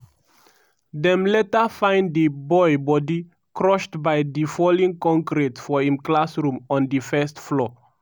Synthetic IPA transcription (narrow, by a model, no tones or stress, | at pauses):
dɛ̃mlɛtəfãɪ̃ndəbɔɪbɔdi | kʰɹɔʃtbaɪdifɔlĩŋkɔ̃ŋkɹitfɔĩmklasɹũmɔ̃ndifɛstflɔ